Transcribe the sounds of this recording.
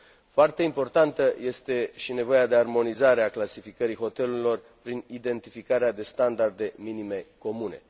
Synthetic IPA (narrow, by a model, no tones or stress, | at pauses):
foart̪e̞impo̞rt̪ant̪əje̞st̪e̞ʃine̞vo̞jad̪e̞armo̞nizaɾe̞aklasifikəɾiɦo̞t̪e̞luɾilo̞r | pɾinid̪e̞nt̪ifikaɾead̪e̞st̪and̪ard̪e̞minime̞ko̞mune̞